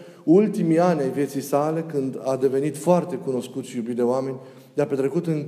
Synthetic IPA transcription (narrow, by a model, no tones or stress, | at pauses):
ult̪imianʲajvje̞t̪sijsale̞kɨnd̪ad̪e̞ve̞nit̪foart̪e̞kuno̞skut̪sjubit̪̚d̪e̞oame̞nʲ | d̪eape̞t̪ɾe̞kut̪ɨn